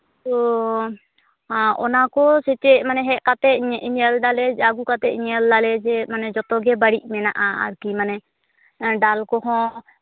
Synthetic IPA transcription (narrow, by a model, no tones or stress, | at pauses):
t̪ɔ | ɔnakɔsɛt͡ʃɛmanɛɦɛʔkat̪ɛʔ̚ɲʔiɲəlɖalɛaɡukat̪ɛʔiɲəldalɛd͡ʒɛmanɛd͡ʒɔt̪ɔɡɛbaɽiʔ̚ˀmɛnaʔaa̰ɾkimanɛ | ɖalkɔɦɔ̃